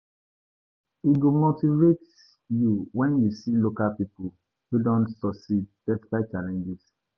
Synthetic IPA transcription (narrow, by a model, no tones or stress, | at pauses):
iɡomotivet | juwɛ̃njusilokalpipu | hudɔ̃ntsɔsid̚d̥ɛfi̥kat͡ʃalɛ̃nd͡ʒɛs